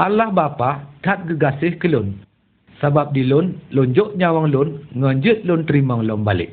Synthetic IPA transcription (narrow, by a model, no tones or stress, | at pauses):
ʔalahbapat̪at̪̚ɡəɡasɪhkəlʊn | sabap̚dilʊnlɔnd͡ʒɔʔɲawaŋlʊnŋɔnd͡ʒət̪̚lʊnt̪əɾimɔŋlɔŋbalɪ̰ʔ̚